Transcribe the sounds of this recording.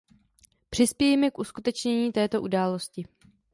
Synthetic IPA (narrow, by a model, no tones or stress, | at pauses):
pr̥ɪspjɛjɛmɛkʔuskut̪ɛt͡ʃɲɛɲiːt̪ɛːt̪o̞ʔudaːlo̞scɪ